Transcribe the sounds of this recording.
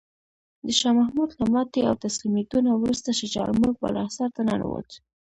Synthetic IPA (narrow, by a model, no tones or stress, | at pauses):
d̪əʃɑmahmud̪lamɑt̪ea̰wt̪aslimet̪unawɾust̪aʃɪt͡ʃɑ̰lmuɡ̚ba̰lɑ̰saɾt̪ana̰n̰wo̰t͡s